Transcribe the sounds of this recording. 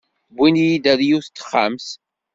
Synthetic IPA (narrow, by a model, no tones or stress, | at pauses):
bːinjid̪æðjuθt̪ːə̥χːams